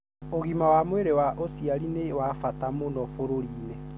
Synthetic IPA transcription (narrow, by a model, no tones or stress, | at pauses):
oɣimawamweɾewaʔosiaɾinewafatamonɔfoɾoɾiːnɛ